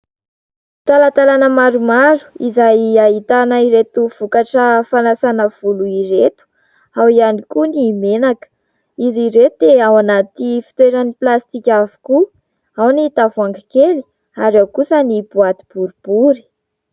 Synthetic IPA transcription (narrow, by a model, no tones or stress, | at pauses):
t̪alat̪alanəmaɾumaɾu̥izajaɦit̪anəiɾet̪uv̥ukaʈ͡ʂəfanasanəv̥uluiɾet̪u̥ | awianikunimenakə̥ | iziɾet̪eawanat̪ifi̥t̪weɾəniplast̪ikʲavu̥ku | awnit̪avuaŋɡikeli̥ | aɾewkusənib̥uat̪ib̥uɾub̥uɾi̥